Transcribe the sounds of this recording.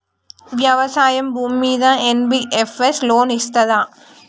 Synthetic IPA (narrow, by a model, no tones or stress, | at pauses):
ʋjɐʋɐsaːjɐmbʱuːmiːðãːenbiʔefesloːnist̪ɐðaː